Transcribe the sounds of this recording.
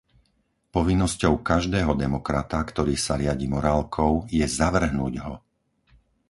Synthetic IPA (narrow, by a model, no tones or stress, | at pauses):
pɔʋinːɔscɔʊkaʒd̪ɛːɦɔd̪ɛmɔkɾat̪akt̪ɔɾiːsaɾɪaɟiːmɔɾaːlkʰɔʊjɛzaʋr̩ɦnuːɟɦɔ